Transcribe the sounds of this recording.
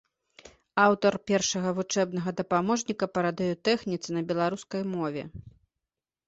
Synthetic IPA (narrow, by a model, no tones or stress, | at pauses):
awt̪ɐrpʲɛrʂɐɣɐvut͡ʂɛbn̪ɐɣɐd̪ɐpamɔʐnʲikɐpɐɾad̪ɛjɔt̪ɛxnʲit̪sɨnɐbʲɛlˠaɾuskɐjmɔvʲɛ̰